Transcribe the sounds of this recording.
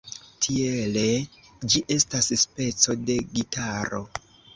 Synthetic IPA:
tʰiele̞d͡ʒiʔe̞stasspe̞t͡so̞de̞ɡitʰaɾo̞̰

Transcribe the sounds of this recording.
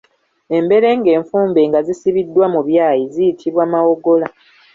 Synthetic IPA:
e̞mbe̞ɾe̞ːŋɡe̞ːɱfuːmbe̞ːŋɡazisiβidːwamuβjaːjizijitʰiβwaːmawo̞ɡo̞la

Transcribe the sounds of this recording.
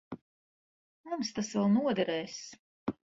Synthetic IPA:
mumst̪asvɛlˠnuɔd̪ɛɾɛːs

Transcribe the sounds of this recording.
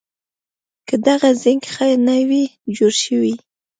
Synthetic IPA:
kəd̪aɣazɪŋɡxajnawid͡ʒoɾʃəwi

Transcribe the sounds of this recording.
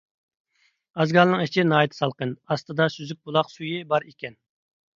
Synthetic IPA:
ɑzɡɑlˠnɨŋet͡ʃʰɪnɑːjt̪ʰɨ̥sɑlˠqənɑst̪ɨd̪ɑsyzyk̚ʲbulˠɑqsujɪbɑɾekʲɛn

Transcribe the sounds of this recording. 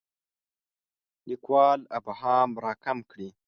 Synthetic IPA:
likwɑːlabhɑːmɾɑːkamkɽi

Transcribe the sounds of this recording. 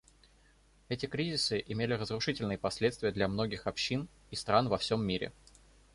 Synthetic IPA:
ɛtʲɪkɾʲizʲɪsɨʔɪmʲelʲɪrəzrʊʂɨtʲɪlʲnɨjəpɐsʲlʲe̞t̪st̪vʲɪjəd̪lʲɐmno̞ɡʲɪxɐpɕːin | ist̪ɾanvɐfsʲomːʲiɾʲɪ̰

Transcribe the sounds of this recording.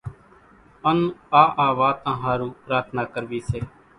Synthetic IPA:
ənũːaːʔaːʋaːt̪ãːɦaːɾũːpɾaːt̪ʰnaːkəɾʋiːseː

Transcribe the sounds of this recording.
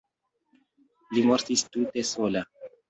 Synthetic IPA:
limoɾt̪ist̪ut̪esola

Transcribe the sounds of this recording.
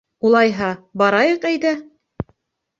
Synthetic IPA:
ulˠɑjɦɑbɑɾɑjɤqæjd̪æ

